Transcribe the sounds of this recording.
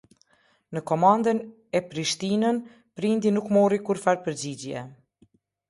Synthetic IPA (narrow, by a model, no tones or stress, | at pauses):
nəkɔmand̪ən | ɛpɾiʃt̪inən | pɾind̪inukmɔrikuɾfaɾpəɾd͡ʑid͡ʑjɛ̰